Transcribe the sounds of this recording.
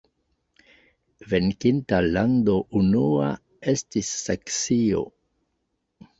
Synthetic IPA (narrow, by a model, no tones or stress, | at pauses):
venkintalandoʔunua | estisːaksio̰